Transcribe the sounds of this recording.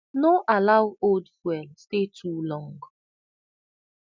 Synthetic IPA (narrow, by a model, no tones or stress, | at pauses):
noʔalaʊoldfwɛlstetʰulɔ̃ŋɡ